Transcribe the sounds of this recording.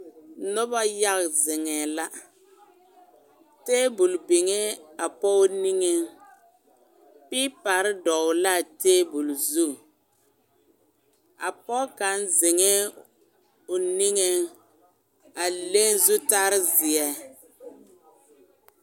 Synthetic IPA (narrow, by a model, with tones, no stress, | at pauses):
nɔ˦ba˦ja˦ɣzɪ˨ŋɛ˨la˦ | teː˦bu˨lbɪ˨ŋe˦a˨pɔ˦ni˦ŋe˦ | pi˦pa˨ɾɪ˦dɔ˨ʊ˨la˦˨teː˦bu˨lzu˦ | a̰˨pɔ˦ka˨˦nzɪ˨ŋɛ˦ | ʊ˨ni˦ŋe˦ | a˨le˦n˦zu˦ta˦ɾɪ˦zɪ˨ɛ˦